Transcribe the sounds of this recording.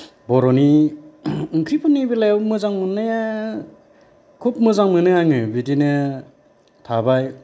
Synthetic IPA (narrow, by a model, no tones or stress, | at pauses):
bɔɾɔni | ɯŋkʰipʰɯnːibilajwmɯzaŋmɯnːɯja | kʰup̚mɯzaŋmɯnɯaŋɯbidinɯ | tʰabaj